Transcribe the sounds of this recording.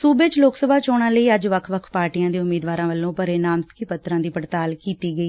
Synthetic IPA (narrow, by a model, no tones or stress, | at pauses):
suːbet͡ʃloːksəbʱaːt͡ʃoːɽ̃ãːləiːəd͡ʒʋəkʰʋəkʰpaːɾʈijãːd̪iːʊmːeːd̪ʋaːɾãːʋəlːõːpəɾeːnaːmst̪kiːpət̪ɾãːd̪iːpəɽt̪aːlkiːt̪iːɡəiː